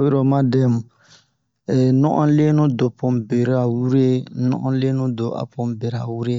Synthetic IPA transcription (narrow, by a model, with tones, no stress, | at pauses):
o˦jɾo˨ma˦dɛ˦mu˨ | ɛ˨nɔ̰˦ʔɔ̰̃˦le˦nõ˦do˨pɔ̃˨mbe˨ɾa˨wu˦ɾe˦nɔ̰̃˦ʔɔ̰̃˦le˦nõ˦do˨ʔa̰˨pɔ˨mbe˨ɾa̰˨wu˦ɾe˦